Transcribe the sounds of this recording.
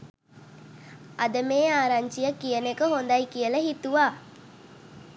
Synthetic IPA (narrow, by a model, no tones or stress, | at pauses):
ɐd̪əmeːaːɾaɲt͡ʃijəkijənekəɦond̪ɐjkijəlɐɦit̪uʋaː